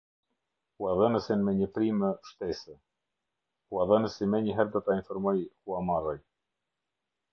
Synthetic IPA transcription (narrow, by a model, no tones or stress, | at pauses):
uaðənəsinmɛɲəpɾiməʃt̪ɛsɛ | uaðənəsimɛɲəɦɛɾd̪ɔt̪ainfɔɾmɔjhuamaraj